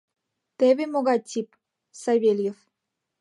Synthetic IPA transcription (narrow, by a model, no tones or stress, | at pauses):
t̪eβemoɣɑt̪ʲːip | sɑβʲelʲjef